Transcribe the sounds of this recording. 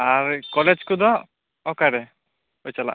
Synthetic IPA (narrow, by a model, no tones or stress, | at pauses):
aɾkɔled͡ʒkud̪ɔ | ɔkaɾɛ | ot͡ʃala̰ʔ